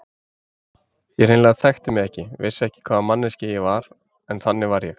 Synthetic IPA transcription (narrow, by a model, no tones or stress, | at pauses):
jɛɣɾeːnlaɣaðθɛxt̪ɪmɛɛhcɪvɪsːɛhcɪ̥kʰvaːðmanːɪscɪjɛɣvaɾ̥ | ɛnθanːɪvaɾjɛx